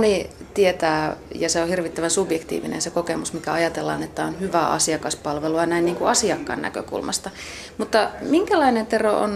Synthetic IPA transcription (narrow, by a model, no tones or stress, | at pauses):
ni | t̪iet̪æːjɑseohirʋit̪ːæʋænsubjekt̪ḭːʋḭnḛnsekokemusmikæɑjɑt̪elːɑ̰ːnet̪ːæonhyʋæ̰ːɑ̰siɑkɑspɑlʋeluɑnæinniːŋkuɑsiɑkːɑ̰nnæ̰kø̰kṵlmɑ̰st̪ɑ | mut̪ːɑmiŋkælɑinent̪eroʔo̰n